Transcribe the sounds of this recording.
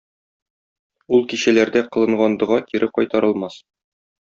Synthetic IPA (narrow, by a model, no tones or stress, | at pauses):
ulˠkiɕælæɾd̪æqɤ̆lˠɤ̆ɴʁɑnd̪ɤ̆ʁɑkiɾʔɘqɒjt̪ɑɾɤ̆lˠmɑs